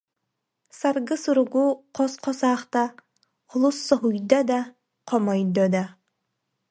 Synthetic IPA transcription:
saɾɡɯsuɾuɡuqɔsqʰɔsaːχt̪a | qʰulˠusːɔɦujd̪ad̪a | qʰɔmɔjd̪ɔd̪a

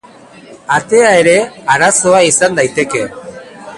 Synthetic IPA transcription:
at̪e̞ae̞ɾe̞aɾaso̞aisand̪ajt̪e̞ke̞

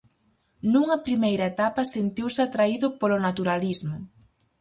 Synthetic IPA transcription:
nuŋɐpɾimejɾɐet̪apɐsent̪iwsɪat̪ɾaiðʊpolʊnat̪uɾalizmʊ

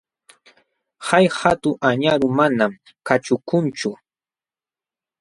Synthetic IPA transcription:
hajhat̪ʊŋʔaɲaɾʊmanam | kat͡ʃʊkʊnt͡ʃʊ

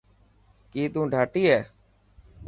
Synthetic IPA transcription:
kiːt̪ũːɖʱaːʈiːɦɛː

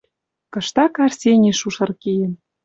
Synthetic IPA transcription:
kɤ̆ʃt̪ɑkɑrsʲenʲeʃuʃɤ̆rkijə̆m

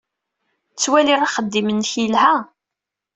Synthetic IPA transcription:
t͡sːwæliʁaχəd̪ːimənçilhæ

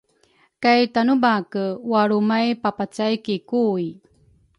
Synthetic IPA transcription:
kajtanubakəwaɾumajpapat͡sajkikuj

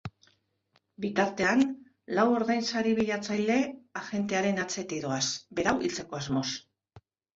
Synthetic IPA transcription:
bit̪aɾt̪e̞an | lawo̞ɾðajnsaɾiβiʎat͡sajle̞axe̞nt̪e̞aɾe̞nat͡se̞t̪iðoasbe̞ɾawʔilt͡se̞ko̞azmo̞s

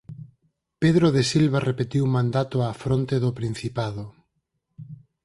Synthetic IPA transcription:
peðɾoðesilβarepet̪iwumãnd̪at̪oafɾont̪eðʊpɾin̟θipað̞ʊ

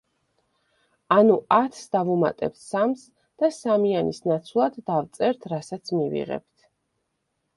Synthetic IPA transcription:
anuat̪ʰsd̪avuma̰t̪ʼɛ̰p̚t̪ʰsams | d̪̥asamianisnat̪sʰvlˠad̪ːavt̪sʼɛɾt̪ʰɾasat̪sʰmivḭʁɛ̰p̚t̪ʰ

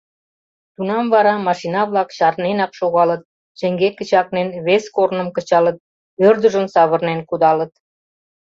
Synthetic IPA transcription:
t̪unɑmvɑɾɑmɑʃinɑβlɑkɕɑrnenɑkʃoɣɑlət̪̚ | t͡ɕə̆ŋɡekə̆t͡ɕɑk̚nenβeskornə̆mkə̆t͡ɕɑlə̆t̪̚ | ørd̪əʒənsɑβə̆rnenkud̪ɑlə̆t̪̚

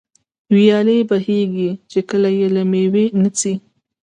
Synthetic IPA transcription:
wjɑləjbaheɡit͡ʃekəlajelamewenət͡si

